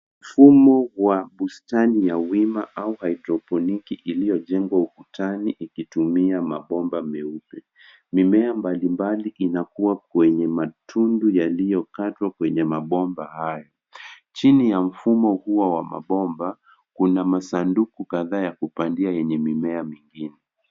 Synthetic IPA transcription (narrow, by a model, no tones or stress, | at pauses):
m̩fumɔwaɓustanijawimaʔauhaitɾɔpɔnikiʔilijɔʄɛŋɡwaukutʰaniʔikitumiamaɓɔmbamɛupɛ | mimɛambalimbaliʔinakuwakwɛɲɛmatʰundujalijɔkatwakwɛɲɛmaɓɔmbahajɔ | t͡ʃinijam̩fumɔhuwawama̰ɓɔmba | kunamasandukukaðaːjakupandiajɛɲɛmimɛamiŋɡinɛ